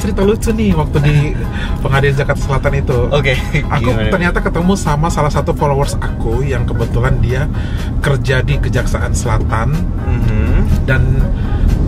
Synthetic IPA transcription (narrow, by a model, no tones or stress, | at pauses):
t͡ʃəɾit̪alut͡ʃunɪwak̚t̪udi | pəŋadild͡ʒakat̪səlat̪anit̪uoke | ʔakut̪ərɲat̪akət̪əmusamasalahsat̪ufolowərsakujaŋkəbət̪ulandia | kərd͡ʒadikəd͡ʒaksaʔansəlat̪an | m̩hdan